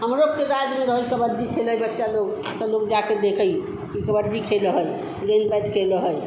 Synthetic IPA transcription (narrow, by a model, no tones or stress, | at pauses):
ɦəmɾob̚keɾad͡ʒmeɾəɦəjkəbəɾd̪ikʰeləjbətːʃaloɡ | t̪ɔloɡd͡ʒaked̪ekʰəj | kikəbəɾd̪ikʰelɦəj | ɡenpɛd̪kʰeləɦəj